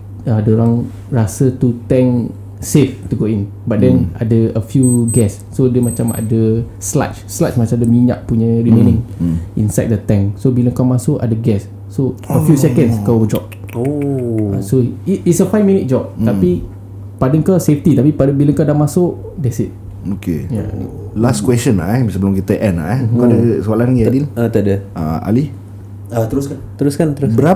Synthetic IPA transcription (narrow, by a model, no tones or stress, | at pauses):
adəoɾãŋ | ɹasət̪ut̪ɛ̃ŋ | seft̪uɡoin | bat̚dɛna̰dəəfjuɡɛsːodəmat͡ʃama̰də | sla̰t͡ʃslasmat͡ʃãmdəmiɲã̰ʔpuɲəɹimẽnɪ̃ŋinsajt̚dət̪ɛ̃ŋsobilə̃ŋkɔmasoʔa̰dəɡɛsː | oəfjusɛkə̃nskaəd͡ʒɔp̚ | oa̰soiisəfajvmĩnit̚d͡ʒɔp̚t̪api | padəŋkɔseft̪it̪apipadəbiləŋkadãmasʊʔ | dɛsit̪̚ | okḛja̰ | laskwɛst͡ʃənla̰ʔɛsəbəlʊ̃mkit̪əʔɛnla̰ʔkadəsalanŋɡadilat̪ədəa̰a̰li | at̪əɾuskant̪əɾuskant̪əɾusbəɾa